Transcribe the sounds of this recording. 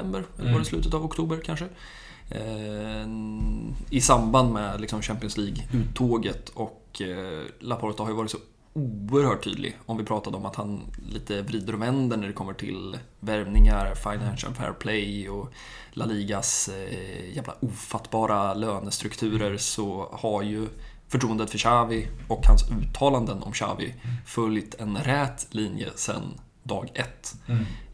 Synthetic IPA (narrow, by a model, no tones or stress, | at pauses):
ɛmbəɾɛlɡɔɾɪslʉ̟ːt̪ət̪avɔkt̪ʰuːbəɾkʰanʂə | ɪsamband̪mɛlɪksɔmɕæmpɪɔnsliːɡʉ̟ːt̪ʰːoːɡət̪ʰɔk | lapʰɔlt̪ahaɾjɵvɑːɾɪt̪sɔ | uːəɾhœːʈʰːy̰ːd̪lʔɪ̰ɡɔmvɪpʰɾɑːt̪ad̪əɔmat̪hanliːt̪ʰəvɾiːd̪əɾɔvɛnd̪əɳæɖɛkʰɔmːəʈʰɪ̰lvæɾvnɪŋaɾfaɪnænʃə̰lfɛ̰ɾpʰlɛjɔ | laliːɡas | jæːvla̰ʔuːfat̪ːbɑːɾaløːnəst̪ɾɵkt̪ʰʉ̟ːɾəɾsɔhaɾjɵ | fœʈʰɾuːənd̪ət̪fœɕaːvɪɔkhansʉ̟ːt̪ʰːɑːland̪ənɔ̰mɕa̰ːvɪ̰fœljt̪ɛnɾɛt̪liːnjə̰sɛ̰n | d̪ɑːɡɛt̪ː